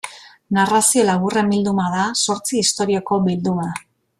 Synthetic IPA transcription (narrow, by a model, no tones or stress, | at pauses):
narasio̞laɣure̞mbild̪umað̞aso̞ɾt͡siːst̪o̞ɾioko̞bild̪uma